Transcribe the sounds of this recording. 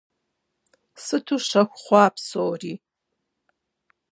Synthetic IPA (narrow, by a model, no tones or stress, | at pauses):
sɨtʰuʂɐxʷχʷɑːpsoːriː